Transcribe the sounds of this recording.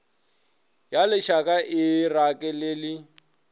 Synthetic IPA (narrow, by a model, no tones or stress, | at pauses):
jalɪʃakʼaʔɪrakʼɛlɪlɪ